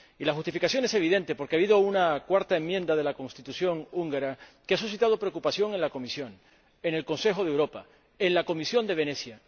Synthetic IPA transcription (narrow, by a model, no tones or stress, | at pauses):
ilaxust̪ifikasjo̞ne̞se̞β̞iðẽ̞nt̪e̞po̞ɾkeaβiðo̞unakwaɾt̪ae̞mːjẽ̞nd̪að̞e̞lako̞nst̪it̪usjo̞ŋuŋɡaɾakeasus̬it̪að̞o̞pɾeokupasjo̞ŋe̞nlako̞misjo̞ŋ | e̞ne̞lko̞nse̞xo̞ðewɾo̞pa | enlako̞misjõ̞nd̪e̞β̞e̞nesja